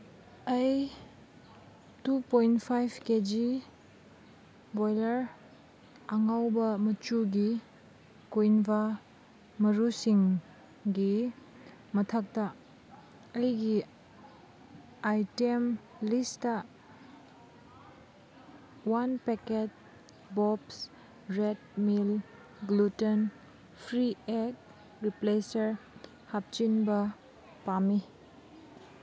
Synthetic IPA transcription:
ɐj | tupojntpʰajbʰked͡ʒi | bojlɐɾ | aŋawbɐmɐt͡ʃuɡi | kojnba | mɐɾusiŋ | ɡi | mɐtʰak̚tɐ | ɐjɡi | ajtemlistɐ | wanpeket | bɔps | ɾedmil | ɡluten | pʰɾiek̚ | ɾiplesɐɾ | hap̚t͡ʃinbɐ | pami

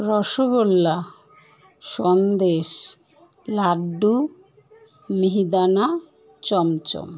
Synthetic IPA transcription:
ɾɔʃoɡolːa | ʃɔnd̪eʃ | laɖːu | miɦid̪ana | t͡ɕɔmt͡ɕɔ̰m

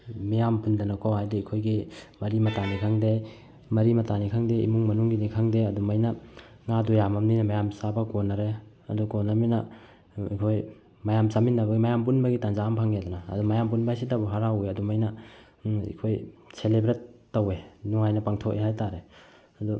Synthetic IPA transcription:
mijampundɐnakʰowhajdeikʰojɡimɐɾimɐtanikʰaŋde | mɐɾimɐtanikʰaŋdeḭmuŋmɐnuŋɡinikʰaŋdeɐdumajnɐŋadujamɐmnijnɐmajamsabɐkonaɾe | ɐdukonaminɐ̰ | ikʰoj | majamsaminːɐbɐɡimajamp̬unbɐɡitanzaːmpʰaŋedana̰ːdumajampunbasitabuɦaɾaujɐdumajnɐ | ḭkʰojselebɾetː | owenuŋajnɐpaŋtʰok̚ʔeɦajtaɾe | ɐdu

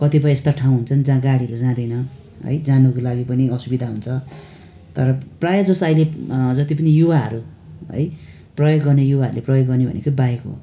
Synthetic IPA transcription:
kʌt̪ip̬ʌj̃est̪aʈʰaw̃ɦunt͡sʰʌnd͡zãɡaɽiʌɾud͡zãd̪ʌjnʌ | ɦʌ̰jd͡zãnukolaɡipʌniʌsubid̪ʱaɦunt͡sʰʌ | t̪ʌɾʌprajʌd͡zosailed͡zʌt̪ip̬ʌnijuwaɦʌ̰ɾu | ɦʌ̰j | prʌjoɡːʌrnejuwaɦʌ̰ɾuleprʌjoɡːʌrnebʱʌ̰nḛkobajeko

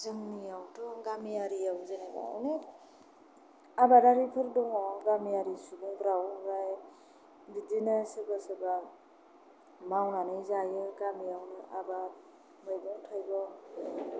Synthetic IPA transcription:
zɯŋnijawtʰɔɡamiaɾiawzɯnaba̰a̰wne | abaɾaɾipʰɯɾdɔŋɔɡamijaɾisudɔŋbɾawɾaj | bidinɯsɯbasɯba | mawnanɯjzajɯɡamijawnɯʔaba | mɯjdɔŋtʰajbɔ

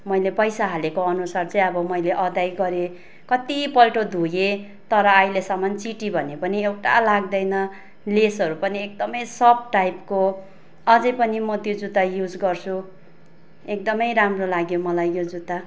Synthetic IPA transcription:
mʌjlepʌjsaɦalekoʌnusart͡sʌ̃ĩʌbʌmʌjleʔʌd̪ajɡʌɾe | kʌt̪ipʌlʈod̪ʱuje | t̪ʌɾʌːjlesʌmʌnt͡siʈibʱʌnepʌniewʈa̰laɡ̚d̪ʌjnʌ | lesʌɾupʌniek̚d̪ʌmʌjsʌb̚ʈajpko | ʌd͡zʌjpʌnimʌt̪jod͡zud̪ajud͡zɡʌrt͡sʰu | ek̚d̪ʌmʌjɾamrolaɡjomʌlajjod͡zud̪a

